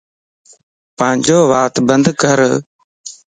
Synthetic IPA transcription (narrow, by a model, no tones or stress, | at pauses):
pəːɪ̃ɲd͡ʒoːʋaːt̪bənd̪kəɾ